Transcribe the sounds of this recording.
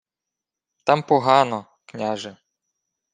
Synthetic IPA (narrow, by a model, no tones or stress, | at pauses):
t̪ampɔɦɑnɔ | knʲaʒɛ